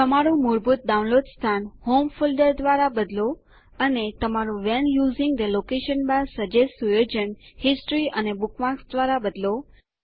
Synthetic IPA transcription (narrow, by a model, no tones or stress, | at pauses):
t̪əmaɾũmuɾbut̪̚daũnlod̪st̪ʰanhomfulɖəɾd̪ʋaɾabəd̪lo | ənet̪əmaɾũʋɛnjuzɪ̃ŋɡd̪əlokeʃənbasəd͡ʒesujod͡ʒənhɪsʈɾiʔənebukʰʋãksd̪ʋaɾabəd̪lo